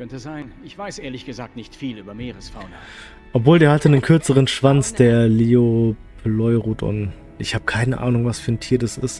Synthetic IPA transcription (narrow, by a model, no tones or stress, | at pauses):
kʰœntəzaɪnɪçv̥aɪsʔeːɐlɪçɡ̥əzaːk̚tnɪçtfiːlyːbɐmeːʁəsfaʊnɐ | ʔɔpv̥oːleːɐhatənənkʰʏɐt͡səʁ̞ənʃv̥ant͡sd̥eːɐleːopʰlɔʏʁuːtʰʔʊ̰n | ʔɪçhaːbəkʰaɪnəʔa̰ːnʊŋvasfyːɐntʰiːɐdasɪst